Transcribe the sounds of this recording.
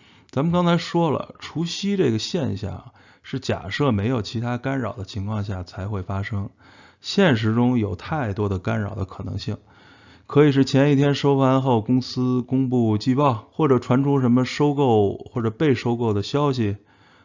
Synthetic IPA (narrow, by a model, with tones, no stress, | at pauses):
t͡sa˧˥mə˨nkɑ˥ŋt͡sʰa˧˥ɪʂwɔ˥lə̰˨ʈ͡ʂʰu˧˥ɕi˥ʈ͡ʂɤ˥˩ɡə˩ɕjɛ˥˧nɕjɑ̰˥˩ŋ | ʂɻ̩˥˩t͡ɕja̰˨˩ʂɤ˥˩me˧˥ɪjo˨˩ʊt͡ɕʰi˧˥t̪ʰa˥ka˥nɻɑ˨˩ʊd̪ə˦t͡ɕʰi˧˥ŋkʰwɑ˥˧ŋɕ̬ja˥˩t͡sʰa˧˥ɪxwe˥˩ɪfa˥ʂɤ˥ŋ | ɕjɛ˥˩nʂ̬ɻ̩˧˥ʈ͡ʂʊ˥ŋjo˨˩ʊt̪ʰa˥˩ɪt̪wɔ˥d̪ə˨ka˥nɻɑ̰˨˩ʊd̪ə̰˦kʰɤ̥˨˩nɤ̰˧˥ŋɕi˥˩ŋ | kʰɤ˧˥i˨˩ʂ̬ɻ̩˥˩t͡ɕʰjɛ˧˥ni˥˩t̪ʰjɛ˥nʂo˥ʊfa˥nxo˥˩ʊkʊ˥ŋsɹ̩˥kʊ˥ŋpu˥˩t͡ɕi˥˧pɑ˥˩ʊxwɔ˥˩ʈ͡ʂɤ˨˩ʈ͡ʂʰwa˧˥nʈ͡ʂʰu˥ʂ̬ə˧˥nmə˧ʂo˥ʊko˥˩ʊxwɔ˥˩ʈ͡ʂɤ˨˩pe˥˩ɪʂo˥ʊko˥˩ʊd̪ə˩ɕjɑ˥ʊɕ̬i˨˩